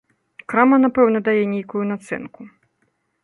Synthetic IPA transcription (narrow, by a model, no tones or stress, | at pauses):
kɾamɐnapɛwnɐd̪ajɛnʲejkujunat̪sɛ̰nku